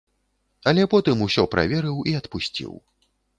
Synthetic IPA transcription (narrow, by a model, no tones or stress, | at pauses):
ɐlʲɛpɔt̪ɨmusʲɔpɾʔa̰vʲɛɾɨwiɐt̪pusʲt͡sʲḭw